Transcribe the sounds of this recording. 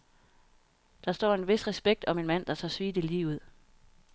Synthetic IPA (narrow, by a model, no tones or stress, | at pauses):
d̥ɑ̈sd̥ɒ̰ːe̝nʋe̝sʁɛsb̥eɡ̥̚d̥ɒ̽me̝nmæn̰d̥ɑ̈t͡sʰɒ̰sʋiːd̥iliːʊuð̰ˠ